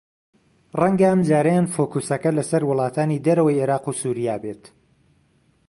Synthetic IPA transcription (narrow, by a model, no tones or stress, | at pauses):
rɐŋɡɐɐmd͡ʒaːɾɐjanfoːkusɐkɐlɐsɐɾwʊlˠɑːt̪ʰaːnid̪ɐɾɐwɐjeːɾɑːqusuːɾijaːbet̪